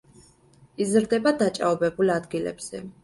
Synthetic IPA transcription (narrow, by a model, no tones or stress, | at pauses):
izɾd̪ɛbad̪at͡ʃʼa̰ɔbɛbulad̪ɡilɛ̰bz̥ɛ̰